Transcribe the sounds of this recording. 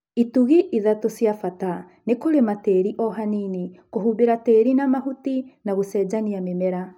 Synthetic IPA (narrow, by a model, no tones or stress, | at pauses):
ituɣiʔiðatosjafata | nekoɾemateɾiʔɔɦaninikoɦubeɾateɾinamahutinaɣosɛːd͡ʒaniamemɛɾa